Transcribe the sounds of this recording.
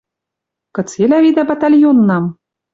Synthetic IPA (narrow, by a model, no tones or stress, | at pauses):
kɤ̆t͡selʲævid̪æbat̪alʲjonːɑm